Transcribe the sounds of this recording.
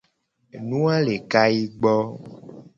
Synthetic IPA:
nũ˦ã˦le˨ka˦ji˦ɡ͡bɔ˦

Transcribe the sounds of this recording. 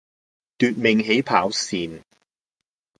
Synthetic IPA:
t̪yː˨˧t̚mɪ˨˩ŋɦe˨˥jpʰaː˨˥wsiː˨n

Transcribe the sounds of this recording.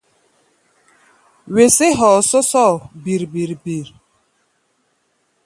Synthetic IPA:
we˨se˦ɦɔ˨sɔ˦sɔ˦˨bi˨ɾbi˨ɾbi˨ɾ

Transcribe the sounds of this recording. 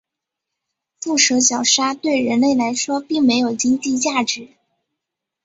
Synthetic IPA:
fu˥˩ʂɤ˧˥t͡ɕjɑ˨˩ʊʂa˥t̪we˥˩ɪɻə˧˥nle˥˩ɪla˧˥ɪʂwɔ˥pi˥˩ŋme˧˥ɪjo˨˩ʊt͡ɕi˥ŋt͡ɕi˥˧t͡ɕja˥˩ʈ͡ʂɻ̩˨˧˩

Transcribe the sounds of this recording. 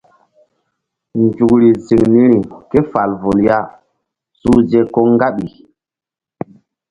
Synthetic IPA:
nd͡ʒu˨kɾi˨zi˨ŋni˦ɾi˨ke˦fa˨lvo˨lja˦˨ | su˦ze˦ko˦ŋ˦ɡa˦ɓi˨

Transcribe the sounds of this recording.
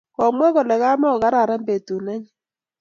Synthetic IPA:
kɔ˨mwɛ˦ɣɔ˨lɛ˨ɣa˦mɔ˦ɔ˨ɣa˦ɾa˨ɾa˦mbe˨tu˨na˦ɲi˦

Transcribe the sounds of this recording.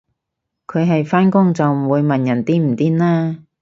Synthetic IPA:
kʰɵ˨˧ɥɦɐ˨jfaː˥nkʊ˥ŋt͡sɐ˨wm̩˨˩wuː˨˧jmɐ˨njɐ˨˩nt̪iː˥m̩˨˩t̪iː˥nnaː˥

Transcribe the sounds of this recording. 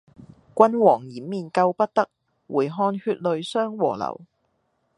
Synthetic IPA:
kʷɐ˥nwɔː˨˩ŋjiː˨˩˥mːiː˨˩nkɐ˧wpɐ˥t̚t̪ɐ˥k̚ | wuː˨˩jɦɔː˧nhyː˧t̚lɵ˨˧ɥsœː˥ŋwɔ̰ː˨˩lɐ̰˨˩w

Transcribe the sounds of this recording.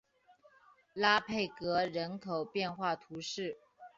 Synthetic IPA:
la˥pʰe˥˩ɪkɤ˧˥ɻə˧˥nkʰo˨˩ʊpjɛ˥˧nxwa˥˩t̪ʰu˧˥ʂɻ̩˥˩

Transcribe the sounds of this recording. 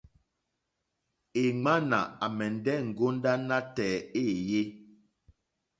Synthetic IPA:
e˨ŋ͡ma˦na̰˨a˨mɛ˨n˨dɛ˦˨ŋ̩˨ɡo˦n˦da˦na˦tɛ˨e˦˨je˦

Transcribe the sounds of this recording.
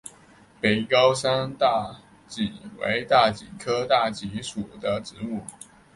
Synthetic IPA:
pe˨˩ɪkɑ˥ʊsa˥nt̪a˥˩ | t͡ɕi˨˩wḛ˧˥ɪt̪a˥˩t͡ɕi˨˩kʰɤ˥t̪a˥˩t͡ɕi˧˥ʂu˨˩d̪ə˦ʈ͡ʂɻ̩˧˦mu˥˩

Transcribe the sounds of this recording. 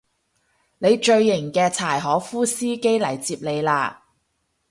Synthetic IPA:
ne˨˧jt͡ʃɵ˧ɥːɪ˨˩ŋkɛː˧t͡sʰaː˨˩jɦɔː˨˥fuː˥siː˥ke˥jlɐ˨˩jt͡siː˧p̚le˨˧jlaː˧

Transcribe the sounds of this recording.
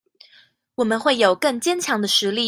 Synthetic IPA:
wɔ˨˩mə˨˦nxwe˥˩ɪjo˨˩ʊkɤ˥˩ŋt͡ɕjɛ˥nt͡ɕʰjɑ˧˥ŋd̪ə˧ʂɻ̩˧˥li˥˩˨

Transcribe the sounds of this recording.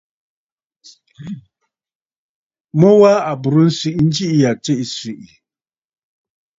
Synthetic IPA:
mɔ˦wa˦a˨bu˨ɾu˦n̩˦si˦ʔn̩˦d͡ʒi˦ʔi˦ja˨t͡se˦ʔi˨si˨ʔi˨

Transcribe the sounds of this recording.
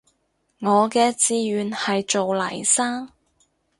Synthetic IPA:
ŋɔː˨˧kɛː˧t͡siː˧jyː˨˧nhɐ˨jt͡ʃo˨wlɐ̰˨˩jsaː˥ŋ

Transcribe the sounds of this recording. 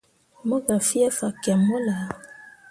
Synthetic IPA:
mo˦ɡa˨fi˦ɛ˦fa˨ka˨mo˦la˨

